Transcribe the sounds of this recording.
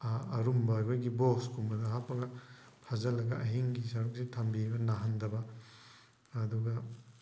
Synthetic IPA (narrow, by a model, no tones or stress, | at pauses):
ɐɾumbɐjbɐɡiboskʰumbɐdɐɦapːɐɡɐ | pʰazɐlɐɡɐʔɐɦiŋɡisɐɾuk̚sitʰambibɐnaɦɐndɐbɐ | duɡɐ